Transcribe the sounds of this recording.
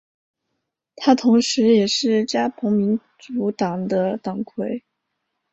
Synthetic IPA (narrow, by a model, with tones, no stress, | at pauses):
t̪ʰa˥t̪ʰʊ˧˥ŋʂɻ̩˧˥jɛ˨˩ʂɻ̩˥˩t͡ɕja˥pʰʊ˧˥ŋmi˧˥n | ʈ͡ʂu˧˥t̪ɑ˨˩ŋd̪ə˦t̪ɑ˨˩ŋkʰwe˧˥ɪ